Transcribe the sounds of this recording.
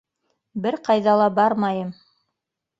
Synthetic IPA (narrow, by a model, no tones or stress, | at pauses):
bɘɾqɑjðɑlˠɑbɑɾmɑjɤm